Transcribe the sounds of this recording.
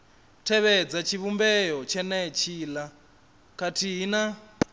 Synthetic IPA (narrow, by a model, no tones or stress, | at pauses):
tʰɛβɛd͡zat͡ʃʰiβumbɛjɔt͡ʃʰɛnɛt͡ʃʰiːla | kʰatʰiɦina